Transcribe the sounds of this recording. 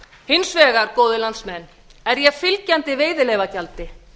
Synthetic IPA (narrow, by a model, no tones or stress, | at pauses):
hɪnsvɛːɣaɾkoːwðɪlant̪smɛnː | ɛɾjɛfɪlcant̪ɪveːjðɪleːjvacalt̪ɪ